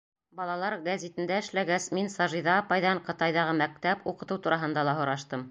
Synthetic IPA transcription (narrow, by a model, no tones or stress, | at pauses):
bɑlˠɑlˠɑɾɡæzʲit̪ɘ̆nd̪æɘ̆ʃlæɡæsminsɑʒiðɑːpɑjðɑɴqɤ̆t̪ɑjðɑʁɤmæk̚t̪æpuqɤ̆t̪ɤwt̪uɾɑɦɤ̆nd̪ɑlˠɑɦŏɾɑʃt̪ɤm